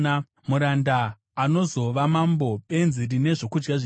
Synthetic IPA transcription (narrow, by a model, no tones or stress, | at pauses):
muɾandaː | no̞zo̞ʋamambo̞e̞nzirine̞ʐo̞kud͡ʒɡaʐ